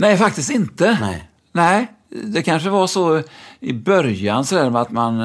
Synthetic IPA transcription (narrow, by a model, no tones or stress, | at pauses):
nɛːfak̚t̪ɪst̪ɪnt̪ə | nɛɪ | d̪ɛkʰanʂəvasɔɪbœɾjansɔd̪æːɾmɛat̪man